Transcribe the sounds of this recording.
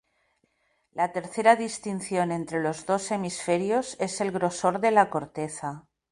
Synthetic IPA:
lat̪e̞ɾθe̞ɾaðist̪in̟θjo̞nẽ̞nt̪ɾe̞lo̞zðo̞se̞misfe̞ɾjo̞se̞se̞lɣɾo̞so̞ɾðelako̞ɾt̪e̞θa

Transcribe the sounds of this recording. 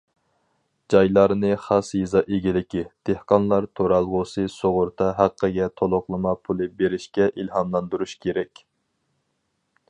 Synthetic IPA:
d͡ʒɑjlˠɑɾnɨχɑsjɨzɑʔeɡʲilɪkʲid̪̥ehqɑnlˠɑɾt̪ʰoɾɑlˠʁʊsɨsoʁʊɾt̪ʰɑɦæqʰːəɡʲɛt̪ʰolˠʊqlˠɨmɑpʰulˠɨbeɾɪʃkʲɛʔilɦɑmlˠɑnd̪uɾuʃkʲʰeɾɛkʲ

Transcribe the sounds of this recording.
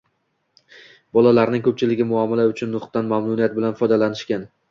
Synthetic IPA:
bɒlˠalaɾnɪŋkʰɵp̚t͡ʃʰɪlɪɡʲɪmʊamːalaʊt͡ʃʰʊnːʊχt̪ːanmamnʊniat̪̚bɪlanfɒjd̪alanɪʃkʲan

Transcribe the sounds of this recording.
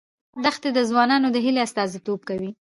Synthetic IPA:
d̪əxt̪ed̪əzwɑnɑnod̪əɦileast̪ɑzit̪ob̚kawi

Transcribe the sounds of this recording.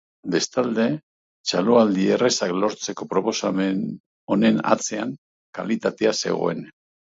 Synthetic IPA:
be̞st̪ald̪e̞ | t͡ʃaloald̪ieresaklo̞ɾt͡se̞ko̞pɾo̞po̞samen | o̞ne̞na̰t͡se̞aŋ | ka̰lit̪at̪e̞ase̞̰ɣo̞̰e̞̰n

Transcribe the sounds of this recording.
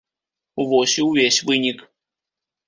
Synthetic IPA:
uvɔsʲiwvʲesʲvɨnʲik

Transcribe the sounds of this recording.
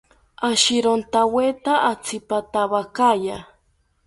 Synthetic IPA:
aʃiɾont̪awet̪aʔat͡sʰipat̪aβakaja

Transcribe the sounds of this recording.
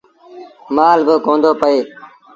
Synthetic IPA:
maːlbəkõːnd̪oːpəeː

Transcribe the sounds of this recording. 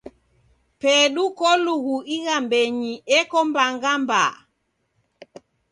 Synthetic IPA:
pɛɗukɔluɣuiɣambɛɲiʔɛkɔmbaŋɡamba̰

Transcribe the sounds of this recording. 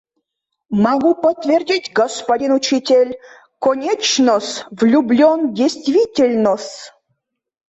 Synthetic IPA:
maɡupət̪vʲerdʲitʲɡəspadʲinut͡ɕitʲelʲ | konʲet͡ɕnəsvlʲublʲondʲejst̪vʲitʲelʲnəsʲ

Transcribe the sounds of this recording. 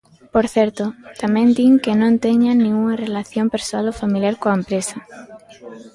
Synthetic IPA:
poɾθeɾt̪ot̪amẽnd̪iŋkenõnt̪eɲanĩŋɡuŋarelaθjompeɾsoalofamiljaɾkoaempɾesa

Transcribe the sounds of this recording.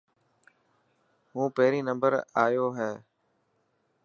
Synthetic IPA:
ɦũːpeːɾiːnə̃mbəɾaːjoːɦɛː

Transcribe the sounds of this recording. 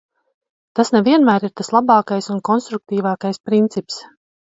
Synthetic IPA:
t̪asneviɛnmæːɾiɾt̪aslˠabɑːkajsunkɔnst̪ɾuk̚t̪iːvɑːkajspɾint̪sips

